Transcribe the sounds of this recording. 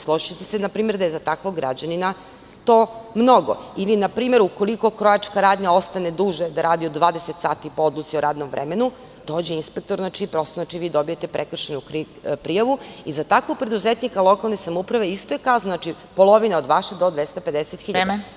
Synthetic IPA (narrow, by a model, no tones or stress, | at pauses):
slˠoʒit͡ɕe̥t̪esenapɾiːmeɾd̪ajezat̪akʋoɡɾa̰d͡ʑanina | t̪oːmno̞ɡo̰ilinapɾiːme̞ɾuko̞liko̞kɾojat͡ʃkaɾaːd̪ɲao̞st̪ane̞d̪uːʒed̪aɾaːd̪iod̪d̪ʋaːd̪eset̪saːt̪ipoo̞d̪lut̪sioɾaːd̪no̞mʋɾʔḛmenu | d̪̥oːd͡ʑeinspek̚t̪oɾznat͡ʃipɾo̞st̪oznat͡ʃiʋiːd̪o̞bije̞t̪e̞pɾekr̩ʃenu | pɾijaʋuizat̪akʋok̚pɾe̞d̪uzet̪nikalˠo̞kalˠnesamoupɾaʋe̞ist̪ojekaznnat͡ʃi | polˠo̞ʋineo̞d̪ʋaʃed̪od̪ʋest̪aped̪eset̪xiʎada